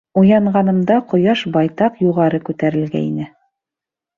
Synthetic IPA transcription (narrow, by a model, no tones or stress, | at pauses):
ujɑɴʁɑnɤ̆md̪ɑqŏjɑʃbɑjt̪ɑqjuʁɑɾɤkʉt̪æɾɘ̆lɡæ̰ḭnɘ